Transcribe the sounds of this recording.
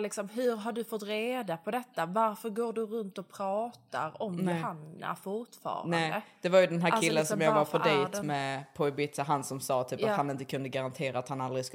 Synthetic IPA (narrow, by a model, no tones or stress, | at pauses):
lɪksɔmɦɵɾɦaɖɵfɔt̪ːɾeːd̪apʰɔd̪ɛt̪ːavaɾfœɾɡoːɖɵɾɵnt̪ɔpʰɾɑːt̪a̰ɾɔmnɛhana̰fʊɾʈfɑ̰ːɾna̰ɛnːd̪əd̪̥ɛvaɾjɵd̪ɛnɦæːɾk̪ʰɪlːənsɔmjɑːɡvaɾfʰɔdɛjt̪mɛpʰɔɪbɪt̪saɦansɔmsɑːt̪ʰyːpat̪hanɪnt̪əkʰɵnd̪əɡaɾant̪ʰeːɾaat̪hanald̪ɾɪsk